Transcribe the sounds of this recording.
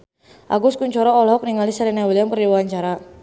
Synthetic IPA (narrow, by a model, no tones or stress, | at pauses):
ʔa̰ɡʊskuɲt͡ʃɔɾɔɔlɔɔk̚niŋalisaɾinawilianpərdiwwaɲt͡ʃaɾa